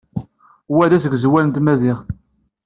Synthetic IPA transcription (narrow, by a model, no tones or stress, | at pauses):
wæðæsəɡzwælənt̪mæziʁ